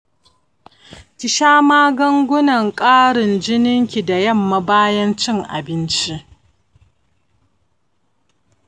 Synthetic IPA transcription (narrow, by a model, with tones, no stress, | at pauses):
kʲɪ˨ʃaː˦maː˦ɡɐ˦ŋɡʷʊ˦nɐ˨ŋkʼaː˦ɽɪ˨nd͡ʒɪ˦nɪ˦ŋkʲi˨da˨jɐ˦˨mːa˦baː˦jɐ˦nt͡ʃɪ˦ŋʔa̰˨bɪ˦nt͡ʃi˦ʔ